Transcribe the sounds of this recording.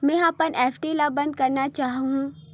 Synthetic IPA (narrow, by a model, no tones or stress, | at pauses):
mɛ̃aːpənʔeːfʰʈilabɐ̃nd̪̚kɐɾnat͡ʃaːɦɦũ